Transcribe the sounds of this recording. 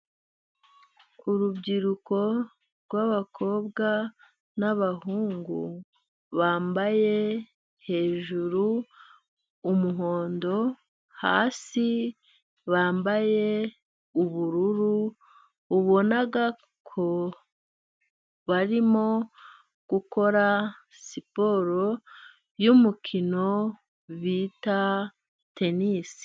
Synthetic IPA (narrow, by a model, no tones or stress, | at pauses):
kuɾubɡiɾuko̞ | ɾɡwaβakʰo̞ːbɡa | naβahuːŋɡu | βaːmbaje̞ | he̞ːʒuɾu | muɦo̞ːndo̞ | ha̰ːsi | βaːmbaje̞ | uβuɾuɾuː | βo̞naɡa | kʰo̞ | βaɾimo̞ | ɡ̥uko̞ɾa | sipo̞ɾo̞ | jumukʰino̞ | βiːta | te̞niːsi̥